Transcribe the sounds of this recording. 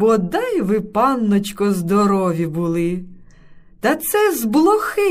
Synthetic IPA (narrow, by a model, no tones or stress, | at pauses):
bɔd̪ajʋɪpɑnːɔt͡ʃkɔzd̪ɔɾɔʋʲibʊlˠɪ | t̪ɐt̪sɛzblˠɔxɪ